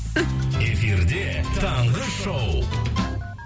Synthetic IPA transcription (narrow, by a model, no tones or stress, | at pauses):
efiɾd̪et̪ʰɑɴʁəʃow